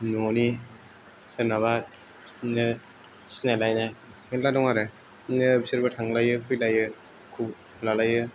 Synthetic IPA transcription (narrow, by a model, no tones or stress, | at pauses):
nuni | senaβat̚ | ne | snelajna | meladɔŋaɾe | nebiseɾbatʰaŋlajɯkʰɯjlajɯ | kʰub | lalajɯ